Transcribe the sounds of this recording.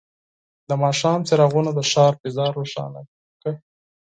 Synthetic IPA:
d̪əmɑʃɑːmt͡seɾaɣunad̪əʃɑːɾbɪzɑɾːoʃɑ̰na̰ | kə

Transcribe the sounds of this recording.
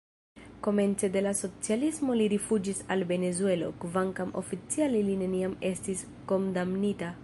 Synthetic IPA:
ko̞me̞nt͡se̞de̞laso̞t͡sialismo̞liɾifud͡ʒisalve̞ne̞zue̞lo̞̰kvaŋkamʔo̞̰fit͡sialiline̞niame̞stis | ko̞ndamnita

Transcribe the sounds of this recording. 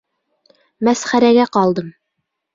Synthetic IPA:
mæsχæɾæɡæqɑlˠd̪ɤm

